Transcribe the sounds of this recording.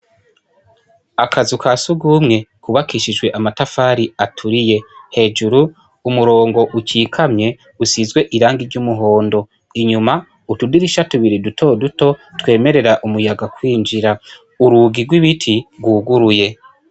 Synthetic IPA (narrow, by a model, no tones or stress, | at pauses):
akʰazikʰasuɡuːmŋe̞kuβakiʃid͡ʒwe̞ʔamatafaːɾiatʰuɾije̞he̞ːd͡ʒuɾuː | muɾoːŋɡo̞ʔuciːkʰamɲe̞ | usizɡwe̞ʔiɾaːŋɡiɾɟumuɦo̞ːndo̞ | iɲuma | utudiɾiʃatuβiɾidutʰo̞duto̞twe̞ːme̞ɾe̞ɾaʔumujaɡakwiːnd͡ʒiɾa | uɾuːɡiɾɡwiβitʰiɡuːɡuɾuje̞